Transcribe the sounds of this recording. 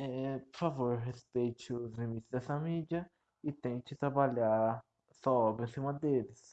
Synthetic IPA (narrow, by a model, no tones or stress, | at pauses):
ɛpoɾfavoɾɦespejt͡ʃɪʊzlimit͡ʃ̪ɪzd̪ɛsɐmid͡ʒɐ | ɪt̪ẽt͡ʃɪt̪ɾabaʎaɾ | sɔbẽsĩmɐd̪elɪs